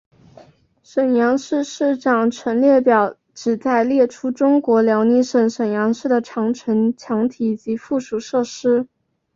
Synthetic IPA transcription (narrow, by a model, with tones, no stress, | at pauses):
ʂə˨˩njɑ˧˥ŋʂɻ̩˥˧ʂɻ̩˥˩ʈ͡ʂɑ˨˩ŋʈ͡ʂʰwə˧˥nljɛ˥˩pjɑ˨˩ʊ | ʈ͡ʂɻ̩˨˩t͡sa˥˧ɪljɛ˥˩ʈ͡ʂʰu˥ʈ͡ʂʊ˥ŋkwɔ˧˥ljɑ˧˥ʊni˧˥ʂə˨˩nʂə˨˩njɑ˧˥ŋʂɻ̩˥˩d̪ə˩ʈ͡ʂʰɑ˧˥ŋʈ͡ʂʰə˧˥nt͡ɕʰjɑ˧˥ŋt̪ʰi˨˩t͡ɕi˧˥fu˥˩ʂu˨˩ʂɤ˥˩ʂɻ̩˥